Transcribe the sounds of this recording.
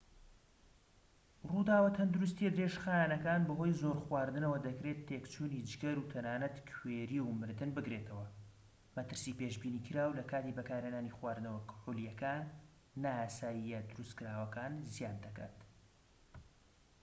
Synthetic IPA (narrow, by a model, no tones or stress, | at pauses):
rud̪aːwɐt̪ʰɐnd̪uɾust̪ijɛd̪ɾeʒxaːjanɐkaːnbɐɦo̞jzo̞ɾxwaːɾd̪ɨnɐwɐd̪ɐkɾet̪ʰːekt͡ʃʰuːnid͡ʒɡɐɾut̪ʰɐnaːnɐt̪kʰweːɾiwmɨɾd̪ɨnbɨkɾeːt̪ʰɐwɐ | mɐt̪ɨɾsiːpeʒbiːniːkʰɨɾaːwlɐkaːt̪ibɐkaːɾhenaːnixwaːɾd̪ɨnɐwɐkħulijɐkaːnː | aaːsaːjijɐd̪ʊɾust̪kɨɾaːwɐkaːnzijaːnd̪ɐka̰ːt̪